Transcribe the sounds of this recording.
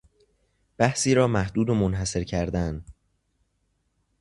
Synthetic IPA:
b̥æhsiːɾɒːmæhd̪uːd̪omonɦæse̞ɾcʰæɾd̪æn

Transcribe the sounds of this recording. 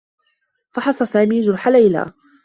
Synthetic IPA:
fɑħɑsˤɑsaːmiːd͡ʒʊɾˤħalajla̰ː

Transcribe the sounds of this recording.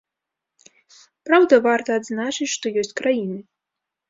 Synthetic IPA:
pɾawd̪ɐvart̪ɐːd̪znat͡ʂɨt͡sʲʂt̪ɔjɔsʲt͡sʲkɾajinɨ

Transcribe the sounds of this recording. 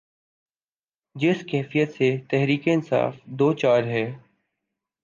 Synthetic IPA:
d͡ʒɪskɛːfijət̪set̪ɛɦɾiːkeɪnsa̰ːfd̪oːt͡ʃaːɾɦɛː

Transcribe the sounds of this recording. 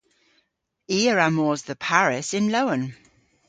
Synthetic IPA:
iːəɹamɔːzðəpʰaɹɪsɪ̃nloʊə̃n

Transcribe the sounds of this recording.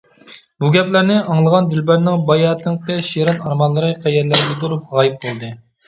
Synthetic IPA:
buɡʲɛplæɾnɪʔɑŋlˠəʁɑnd̪ɪlbæɾnɪŋbɑjɑːt̪ʰɨŋqɨʃiɾɑnɑɾmɑlˠːɨɾɨqʰæjɛɾlæɾɪɡʲɛt̪uɾup̚ʁɑːjɪp̚bolˠd̪ɨ

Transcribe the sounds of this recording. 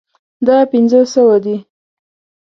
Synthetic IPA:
d̪ɑpɪnzosəwad̪i

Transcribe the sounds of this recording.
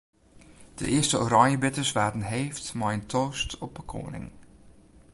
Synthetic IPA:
d̥ə̰ʔɪəstəoɾɑɲjəbɪtəsʋaːtən̩ɦeːftmɔjntʰoːstɔp̚bəkʰo̰ːənɪ̰ŋ

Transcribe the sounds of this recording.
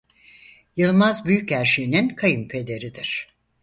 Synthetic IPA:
jɯlˠmazbyjycæɾʃejininkʰajɯmpʰe̞d̪e̞ɾid̪iɾ̥

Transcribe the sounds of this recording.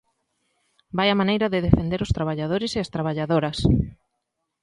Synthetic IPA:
bajɐmanejɾɐðeðefend̪eɾʊst̪ɾaβ̞aʎaðoɾɪseɐst̪ɾaβ̞aʎaðoɾɐs

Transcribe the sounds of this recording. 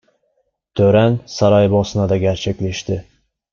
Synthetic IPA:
t̪ʰɵɾansaɾɑjbɒsnad̪aɡʲæɾt͡ʃʰekʲlɪʃt̪ɪ

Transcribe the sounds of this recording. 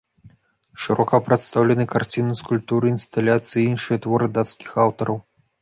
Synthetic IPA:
ʂɨɾʔɔkɐpɾɛt̪st̪awlʲɛnɨkart͡sʲinuskulʲp̚t̪uɾɨinst̪alʲat̪sɨjiinʂɨjɐt̪vɔɾɨd̪at̪skʲi̥xawt̪ɐɾɐw

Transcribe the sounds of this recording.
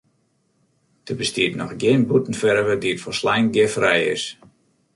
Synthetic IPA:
d̥əbəstiətnɔxɡjɪənbutən̩fɛɾvədiətfɔslɛjnɡjɪfrɛjɪ̰s

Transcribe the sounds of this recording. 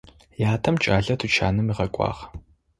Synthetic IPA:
jaːtʰɐmt͡ʃʼaːɮɐtʰut͡ʃʰa̰ːnɨmiʁɐkʷʼɑ̰ːʁ

